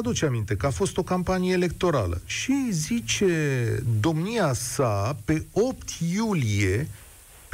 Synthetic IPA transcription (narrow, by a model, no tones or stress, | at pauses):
ad̪ut͡ʃamint̪ekəafo̞st̪o̞kampanijeːle̞k̚t̪o̞ɾa̰lə̰ʃizit͡ʃe̞d̪o̞mniasape̞o̞p̚t̪julije̞